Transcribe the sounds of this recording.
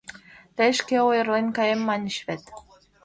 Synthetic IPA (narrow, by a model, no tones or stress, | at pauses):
t̪ĕʃkĕojɤ̆rlenʲkɑjemːɑnʲʃβet̪